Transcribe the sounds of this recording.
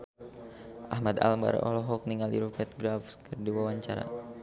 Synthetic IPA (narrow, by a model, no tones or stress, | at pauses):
ʔahmad̪a̰lmba̰ɾɔ̰lɔɦɔk̚niŋaliɾufɛt̪̚ɡɾafskərdiwawaɲt͡ʃaɾa̰